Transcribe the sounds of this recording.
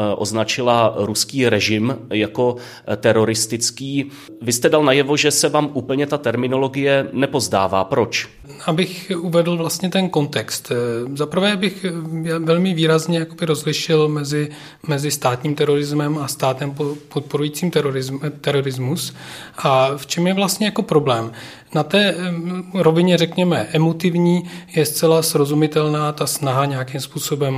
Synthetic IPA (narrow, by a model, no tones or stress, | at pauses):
ʔo̰znat͡ʃɪlaɾuskiːɾɛʒɪmjako̞ | t̪ɛɾo̞ɾɪst̪ɪt͡skiː | vɪst̪ɛdalnajɛvo̞ʒɛsɛvaːmʔuːpl̩ɲɛt̪at̪ɛɾmɪno̞lo̞ɡɪjɛnɛpo̞zdaːva̰ːpɾot͡ʃ | ʔabɪxuvɛdl̩vlast̪ɲɛt̪ɛnko̞nt̪ɛkst̪zapɾ̩vɛːabɪxjavɛlmɪviːɾazɲɛjako̞bɪɾo̞zlɪʃɪlmɛzɪ | mɛzɪst̪aːt̪ɲiːmt̪ɛɾo̞ɾɪzmɛmast̪aːt̪ɛmpopot̪̚po̞ɾujiːt͡siːmt̪ɛɾoɾɪzt̪ɛɾo̞ɾɪzmusʔaft͡ʃɛmjɛvlast̪ɲɛjako̞pɾo̞blɛːm | nat̪ɛː | ɾo̞vɪɲɛrɛkɲɛmɛʔɛmot̪ɪvɲiːjɛst͡sɛlasɾo̞zumɪt̪ɛlnaːt̪asnaɦaɲɛjakimspuːso̞bɛm